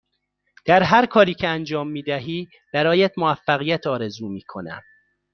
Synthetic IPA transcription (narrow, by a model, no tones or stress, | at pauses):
d̪̥æɾɦæɾkʰɒːɾiːcʰeænd͡ʒɒːmːiːd̪æɦiː | b̥æɾɒːjæt̪moæfːæɣijæt̪ʰɒːɾe̞zuːmiːkʰo̞næ̰m